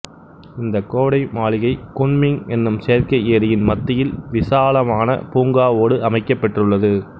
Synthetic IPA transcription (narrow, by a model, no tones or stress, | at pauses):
ɪnd̪ɐkoːɽɐɪmaːlɪɣɐɪkʊɳmɪŋɛnːɯmsejɾkɐeːɾɪjɪnmɐt̪ːɪjɪlʋɪsaːlɐmaːnɐ̰puːŋɡaːoːɽɯʔɐmɐɪkːɐpːɐʈrɯɭːɐðɯ